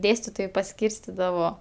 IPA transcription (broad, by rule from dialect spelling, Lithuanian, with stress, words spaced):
ˈdʲeːsʲtʲɪtoːjɛɪ pɐˈsʲkʲiːrʲsʲtʲɪdɐʋoː